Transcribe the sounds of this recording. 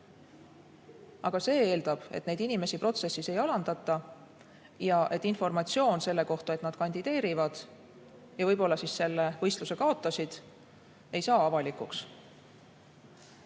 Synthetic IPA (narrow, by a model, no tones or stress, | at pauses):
ɑɡ̥ɑse̞ːe̞ːld̪̥ɑb̥e̞t̪ne̞jd̪inime̞sipro̞t̪se̞sise̞jɑlɑnd̪̥ɑt̪ːˑɑ | jɑʔe̞t̪ːˑinfo̞rmɑt̪sio̞ːnse̞lːe̞ko̞ht̪ue̞t̪ˑnɑd̪̥̚kɑnʲd̪id̪̥e̞ːɾivɑd̪̥ | jɑvɤjbo̞lːɑsisse̞lːevɤjst̪luse̞kɑo̞t̪ˑːɑsid̪̥ | e̞jsɑːɑvɑlikˑuks